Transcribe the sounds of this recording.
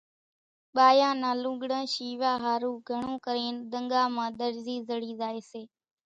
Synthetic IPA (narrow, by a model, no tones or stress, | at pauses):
ɓaːjãːnãːlũːɡɽãːʃiːʋaːɦaːɾũːɡʱəɳũːkəɾeːnɗ̪əŋɡaːmãːɗ̪əɾziːzəɽiːzaːeːseː